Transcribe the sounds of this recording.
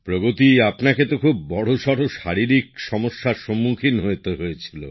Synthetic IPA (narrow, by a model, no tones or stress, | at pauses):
pɾoɡot̪iapnaket̪okʰubːɔɽ̤oʃɔɽoʃaɾiɾik̚ʃɔmoʃːaɾʃomːukʰinɦoet̪eɦojet͡ɕʰilo̰